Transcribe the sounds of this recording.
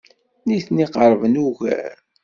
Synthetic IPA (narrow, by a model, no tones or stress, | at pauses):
niθniqəɾˤvənuʝæ̰ɾ